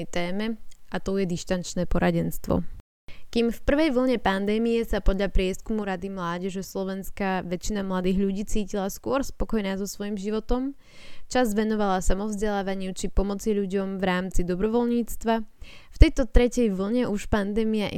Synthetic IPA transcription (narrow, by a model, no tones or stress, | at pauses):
t̪ɛːmɛʔat̪ɔjɛd̪iʃt̪ant͡ʃnɛːpɔɾaɟɛnst̪ʋɔ̰ | kimfpr̩ʋɛjʋl̩ˠɲɛpand̪ɛːmijɛsapɔd̪ʎapɾɪɛskumuɾad̪imlaːɟɛʒɛslˠɔʋɛnskaʋɛt͡ʃinamlad̪iːɣʎuɟiːt͡siːcilaskʊɔɾspɔkɔjnaːzɔsʋɔjimʒiʋɔt̪ɔm | t͡ʃazʋɛnɔʋalasamɔvzɟɛlaːʋaɲɪut͡ʃipɔmɔt͡siʎuɟɔmvɾaːmt͡sid̪ɔbɾɔʋɔlɲiːt͡st̪ʋaft̪ɛjt̪ɔt̪ɾɛcɛjʋl̩ˠɲɛʔuʃpand̪ɛːmiaʔ